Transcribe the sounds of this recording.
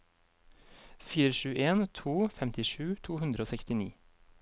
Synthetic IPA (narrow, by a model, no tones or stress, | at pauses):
fiːɾəʃʉːʔeːnt̪ʰuːfɛmt̪ɪʃʉːt̪ʰuːhʉnd̪ɾəoːsɛkst̪ɪnḭː